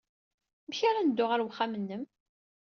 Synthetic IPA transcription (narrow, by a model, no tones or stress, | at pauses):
məçaɾanəd̪ːʊʁaɾwχːamənːəm